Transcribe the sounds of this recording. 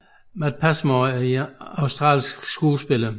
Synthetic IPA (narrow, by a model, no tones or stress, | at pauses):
mæd̥̚pʰæsmoæɐiɑ̈ʊsd̥ʁɑ̰̈ːlsɡ̥sɡ̥uːsb̥elɐ